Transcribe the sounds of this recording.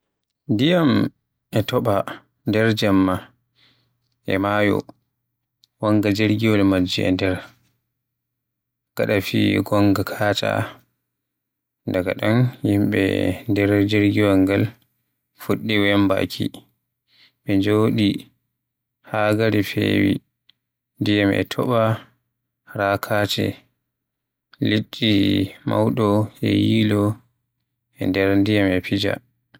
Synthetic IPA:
dijam | ɛtɔɓa | ndɛɾd͡ʒamːa | ʔɛ̰majɔ̰ | waŋɡad͡ʒeɾɡiwɔlmad͡ʒːiɛ̰ndɛɾ | ɡ̥a̰ɗafḭːɡɔŋɡakʰaːta̰ | ndaɡaɗanhimɓɛ̰ndɛɾd͡ʒeɾɡiwaŋɡal | fuɗːiwɛmba̰kʰi | ɓɛd͡ʒoːɗi | haɡaɾifḛːwḭ | ndijamʔɛ̰tʰɔɓa | ɾakʰat͡ʃɛ̰ | litːima̰wɗɔɛ̰jiːlɔ | ɛndɛɾndijamɛpid͡ʒa̰

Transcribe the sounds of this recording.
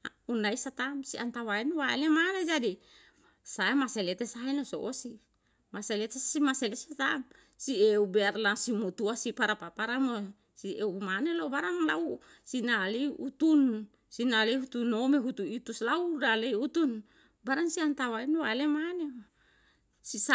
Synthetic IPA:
unajsat̪amsiant̪awaenowaelemaned͡ʒadi | saemaselet̪esaenoso̰ʔosi | maselet̪esimaselesat̪am | sieubeaɾlasimot̪uasipaɾapapaɾamo | siewmanelawbaɾaŋlau | sinaliut̪un | sinalehut̪unomeɦut̪uit̪uslawɾalejut̪un | baɾaŋsiant̪awaenowaelemane | sis

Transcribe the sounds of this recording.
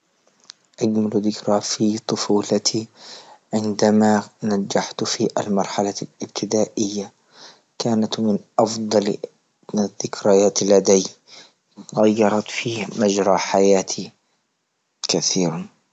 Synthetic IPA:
ʔaɡmalðɪkɾaːfit̪ˤʊfuːlat̪ʰiʕɪnd̪amanad͡ʒːaħt̪fiːʔa̰lmɑɾˤħalalɪb̚t̪ʰɪd̪aːʔɪjːa | kaːnat̪mɪnʔɑfd̪ˤɑl | ðɪkɾajaːt̪lad̪aj | ɣajːɑɾˤɑt̪fiːmad͡ʒɾˤɑːħajaːt̪ʰi | kaθiːɾa

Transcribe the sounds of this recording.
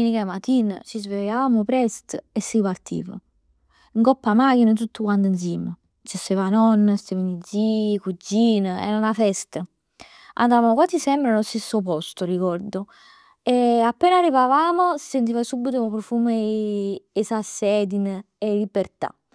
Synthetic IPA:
minikamat̪iːnə̰t͡ʃizvelaaːmopɾɛst̪əesːipaɾt̪ʰḭːvə̰ | iŋkɔpːamaːk̟inət̪̬ut̪ːukwant̪uns̬iːmə | t͡ʃest̪evanɔnːəst̪evənid̪zikud͡ʒːiːnəɛ̰ɾanafɛst̪ə | a̰nd̪avamokwat̪ːisɛmbɾalost̪esːopɔst̪orikɔɾd̪o | eapːɛːnarːivavaːmosi̥sent̪iːvasubːit̪oopɾofuːmeː | sasːɛːd̪in | elibeɾt̪a̰

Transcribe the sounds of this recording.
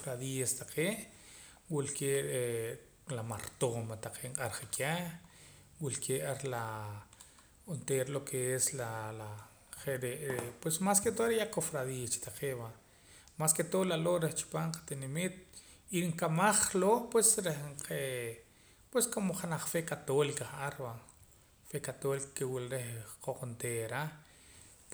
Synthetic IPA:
fɾaðiast̪aqʰeːʔ | wilkeɾe | lama̰ɾt̪omat̪aqʰeːɴqʼaɾχakʰʲa | wilkʰeʔaɾla | unt̪eːɾlokʰeeslala | χeɾeʔpwesmasket̪oʔɾejakofɾaðiːast͡ʃi̥t̪aqeːʔba | masket̪olaloɾeht͡ʃu̥paːɴqḁt̪inemit̪̚ | iŋkamaχlopwesɾehqʰe | pweskomoχanaχfekat̪olikaχʔaɾba | fekat̪olikakewilɾehqoqunt̪eɾa

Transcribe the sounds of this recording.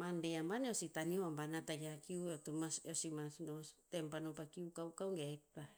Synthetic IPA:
mandeambaneositanioambanataɡiakiuetumaseosimasnotempanompakiukawkawŋɡek̚ta

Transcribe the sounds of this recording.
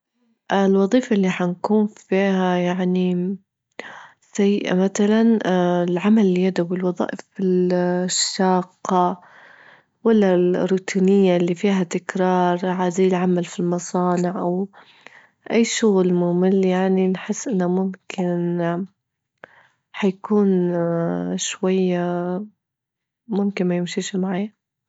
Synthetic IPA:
ʔɪlwɑðˤiːfaʔɪlːiħankuːnfiːhajaʕni | sajɪʔa̰maθalanɪlʕamalɪlijad̪awɪlwɑðˤɑ̰ːʔɪfɪlʃːɑːqːɑ | walːarːuːt̪ʰiːnɪjːalːifiːɦat̪ɪkɾɑːɾˤʕaːziːlʕamalfilmɑsˤɑːnɪʕʔaw | ʔajːʃʊɣlmʊːmɪljaʕninħɪsːʔɪnːamʊmkʰɪn | ħajakuːn | ʃwajːa | mʊmkɪnmajɪmʃiːʃmaʕaːja

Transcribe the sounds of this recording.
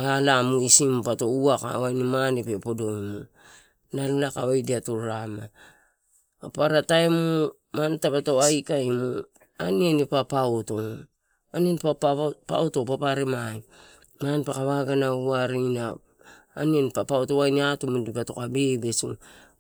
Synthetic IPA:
alamuisimpato̞uaka̰wajnimanipepodo̞jmu | nalalakaβajdiatoɾama | apaɾataemo | mantapatoajkaimo | anienipapaoto̞ | anienipappa̰oto̞papaɾemai | manpakaβaɡanauaɾinaː | nienipapaotowajniatumudipato̞kabebe̞sḭ

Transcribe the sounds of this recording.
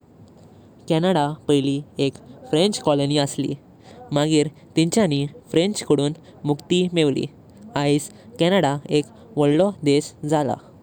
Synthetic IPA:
kɛnəɽapəjliekfɾeɲt͡ɕkɔloniəslḭ | maɡiːɾ | t̪ĩɲt͡ɕjanifɾẽɲt͡ɕkəɽuːn | mukt̪imeʋlḭ | ais | kɛnəɽaek | ʋəɭlɔd̪esd͡zʱala̰

